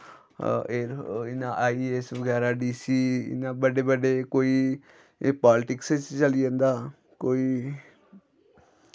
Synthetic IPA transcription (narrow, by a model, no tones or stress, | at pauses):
eːɾɪnaːʔaːiːeːsʋəɡɛːɾaːɖiːsiːɪ̰naːbəɖeːbəɖeːkoːiː | paːlɪʈɪkset͡ʃt͡ʃəlid͡ʒãːnd̪aː | koːiː